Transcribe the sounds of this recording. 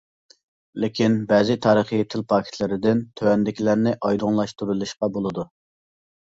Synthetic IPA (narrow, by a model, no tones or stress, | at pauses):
lɪkʲʰinbɛːzɪt̪ʰɑːɾəχiet̪ʰɪlpʰɑːkʲʰɪ̥t̪ʰlɪɾɪd̪ɪnt̪ʰøwɛnd̪ɪkʲlæɾnɪʔɑjd̪ʊŋlˠɑʃt̪uɾulˠɨʃqɑbolˠɨd̪u